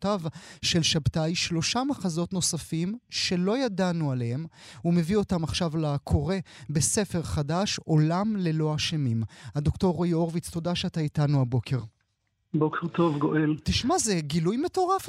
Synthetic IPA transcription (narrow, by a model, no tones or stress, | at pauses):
tavʃe̞lʃabtajʃlo̞ʃamaχazo̞tno̞safimʃe̞lo̞jadanualehemume̞vio̞tamaχʃavlakʰo̞ʁe̞be̞se̞fe̞ʁχadaʃo̞lamle̞lo̞aʃemimad̪okto̞ʁjoʁvit͡st̪o̞daʃeataitanuabo̞kʰe̞ʁ | bokeʁt̪o̞vɡoʔeltiʃmazeɡilujme̞to̞ʁaf